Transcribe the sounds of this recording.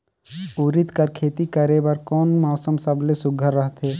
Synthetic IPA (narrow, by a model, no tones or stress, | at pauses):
uːɾɪt̪kəɾkʰeːt̪ikəɾebəɾkɔːnmɔːsəmsəblesʊɡʱəɾːəɦt̪ʰɦeː